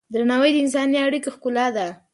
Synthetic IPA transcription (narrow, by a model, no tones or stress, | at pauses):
d̪ɾanawəjd̪əɪns̬ɑniaɽikoxkʊlɑd̪a